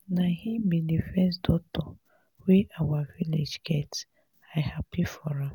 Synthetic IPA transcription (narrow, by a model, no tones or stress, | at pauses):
nahimbidefɛsdɔtɔ | weʔawaviled͡ʒɡɛt | ahapifɔɾas